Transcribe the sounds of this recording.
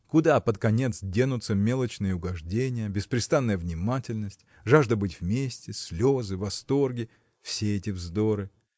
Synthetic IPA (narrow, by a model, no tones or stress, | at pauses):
kʊd̪apət̪kɐnʲe̞t̪sdʲenʊt̪səmʲelˠət͡ɕnɨjəʊɡɐʐdʲenʲɪjəbʲɪspɾʲɪst̪anːəjəvnʲɪmatʲɪlʲnəsʲtʲ | ʐaʐd̪əbɨtʲvmʲesʲtʲɪsʲlʲo̞zɨvɐst̪o̞rɡʲɪ | fsʲeɛtʲɪvzd̪oɾɨ